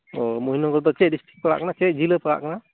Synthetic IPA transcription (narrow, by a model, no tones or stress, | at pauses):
ɔmuɦinɔɡɔɾd̪ɔt͡ʃɛdistɾik̚pəɽa̰ʔkanat͡ʃɛc̚d͡ʒiləpəɽa̰ʔkana